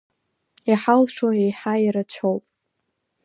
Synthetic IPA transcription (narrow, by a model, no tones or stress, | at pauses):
aħalʂoejħaiɾat͡ɕʷʰowpʼ